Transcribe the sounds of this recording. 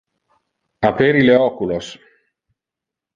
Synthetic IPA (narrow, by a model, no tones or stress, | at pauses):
apeɾileɔkulos